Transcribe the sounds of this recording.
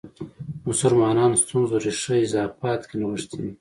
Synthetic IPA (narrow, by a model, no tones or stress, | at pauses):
mʊsʊlmɑːnɑːnst̪unzoɾiʂəɪzɑːfɑt̪kenawəʂt̪ʰid̪i